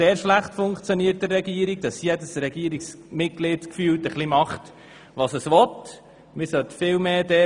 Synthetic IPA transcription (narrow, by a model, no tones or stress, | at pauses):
seːɾʃlæχtfʊŋkt͡sjoniːət̚dərːɛɡiəɾiɡ̚dɑsjɛdəsɾɛɡiːɾiksmɪt̚ɡ̥lɪtkfyːltəχlimɑχt | ʋɑsəsʋɔt̪ | mɪɾsœt̪fɪːlmeːdɛ